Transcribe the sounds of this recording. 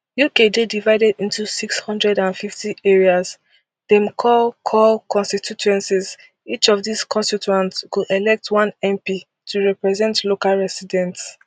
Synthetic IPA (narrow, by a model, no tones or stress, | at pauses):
jukededivaɪdɛdĩntusikshɔ̃ndɹɛdãnfiftieɹiaz | dɛ̃mkʰɔlkʰɔlkɔ̃nstitʰutuɛ̃nsiz | it͡ʃɔvðiskʰɔ̃nstitãntskudelɛk̚tʰwãnɛ̃mpi | tʰuɹɛpɹɛzɛ̃ntlokalɹɛsidɛ̃nts